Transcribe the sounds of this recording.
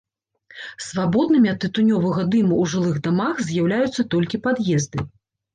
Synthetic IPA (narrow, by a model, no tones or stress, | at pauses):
svabɔd̪̚nɨmʲiɐt̪ːɨt̪unʲɔvɐɣɐd̪ɨmuwʐɨlˠɨɣd̪amaxzʲjawlʲajut̪sːɐt̪ɔlʲkʲipad̪jɛzd̪ɨ